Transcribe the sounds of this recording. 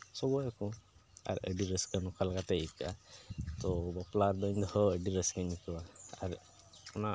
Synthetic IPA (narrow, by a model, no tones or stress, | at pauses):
sɔbɔjɛkũa̰ɾə̰ɖiɾəskənukʰalkat̪eika̰t̪ɔbɔplaɾd̪ɔɲd̪ɔhɔəɖiɾəskəɲikəwaa̰ɾ | ɔna